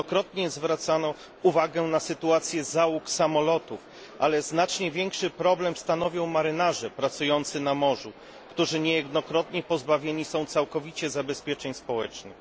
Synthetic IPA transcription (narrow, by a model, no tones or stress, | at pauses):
ɔkɾɔt̪ɲɛzvɾat̪sanɔ | uvaɡɛnasɘt̪uat̪sʲjɛzawuksamɔlɔt̪uf | ʔa̰lɛznat͡ʂɲɛvʲjɛŋkʂɘpɾɔblɛmst̪an̪ɔvʲjɔ̃w̃maɾɘnaʐɛpɾat̪sujɔnt̪sɘnamɔʐu | kt̪uʐɘɲɛjɛd̪nɔkɾɔt̪ɲɛpɔzbavʲjeɲisɔ̃w̃t̪sawkɔvʲit͡ɕɛzabɛspʲjɛt͡ʂɛɲspɔwɛt͡ʂnɘ̰x